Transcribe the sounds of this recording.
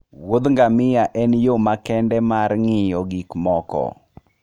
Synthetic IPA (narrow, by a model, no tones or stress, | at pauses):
wod̪ŋɡamɪjaʔɛnjomakɛndɛmarŋɪjɔɡikmɔkɔ̰